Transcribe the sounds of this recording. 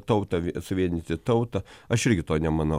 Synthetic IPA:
t̪ɐʊt̪ɐʋʲsʊʋʲiɛnʲɪt̪ʲɪt̪ɐʊt̪ɐɐʃɪɾʲɡʲɪt̪oːnʲɛmɐnɐ

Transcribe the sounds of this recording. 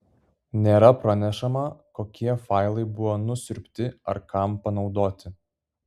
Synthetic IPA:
nʲeːɾɐpɾɐnʲɛʃɐmɐkoːkʲiɛfɐˑɪlˠɐɪbʊʋɔːnʊsʲʊɾʲpʲt̪ʲɪɐɾkɐmpɐnɒʊd̪oːt̪ʲɪ

